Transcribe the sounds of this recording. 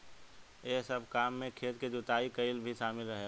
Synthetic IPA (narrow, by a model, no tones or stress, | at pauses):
esəbʱkaːmːẽkʰeːt̪ked͡ʒʊt̪aːikəɪlbʱiʃaːmɪlɾəɦe